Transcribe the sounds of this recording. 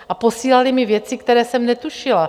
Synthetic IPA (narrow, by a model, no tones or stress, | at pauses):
ʔapo̞siːlalɪmɪvjɛt͡sɪkt̪ɛɾɛːsɛmnɛt̪uʃɪla